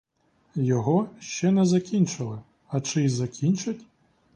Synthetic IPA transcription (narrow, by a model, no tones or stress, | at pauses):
jɔɣɔʃt͡ʃɛnɛzɐkʲinʲt͡ʃɪlˠɪ | ɐt͡ʂɨzɐkʲʰint͡ʃɐtʲ